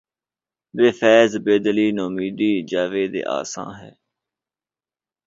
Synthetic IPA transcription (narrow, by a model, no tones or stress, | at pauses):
ʋeːfʰɛːzbeːd̪liːnoːmiːd̪iːd͡ʒaːʋeːd̪ḛːʔa̰ːsã̰ːɦɛ̰ː